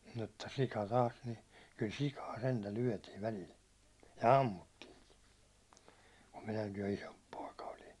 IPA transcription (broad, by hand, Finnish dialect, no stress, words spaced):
mutːɑ sikɑ tɑːs ni kyl sikɑː sentæ lyætiʋ ʋælil jɑ ɑmːutːiːŋki kum minækij jo isomp poˑikɑ olin̞